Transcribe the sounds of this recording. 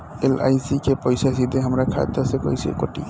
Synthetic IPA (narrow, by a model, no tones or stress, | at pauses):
ela̰jsikepɔjsas̬id̪eɦəmɾakʰa̰d̪əsekɔ̰jsḭkoʈḭ